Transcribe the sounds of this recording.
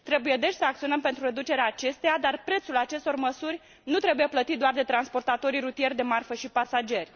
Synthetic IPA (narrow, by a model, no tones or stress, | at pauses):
t̪ɾe̞buje̞d̪e̞t͡ʃʲsəak̚t̪sio̞nəmpe̞nt̪ɾure̞d̪ut͡ʃe̞ɾeaːt͡ʃe̞st̪ejad̪arpɾe̞t̪sulat͡ʃe̞st̪o̞rməsurʲ | nut̪ɾe̞buje̞plət̪it̪̚d̪oard̪e̞t̪ɾanspo̞rt̪at̪o̞ɾirut̪ije̞rʲd̪e̞marfəʃipasad͡ʒe̞rʲ